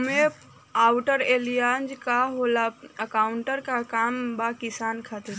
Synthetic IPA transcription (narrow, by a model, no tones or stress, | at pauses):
me | aːwʈəɾeːlijaːnd͡ʒkaɦoːlaɐkaːʊɳʈəɾkakaːmbakɪsaːnkʰat̪eɾ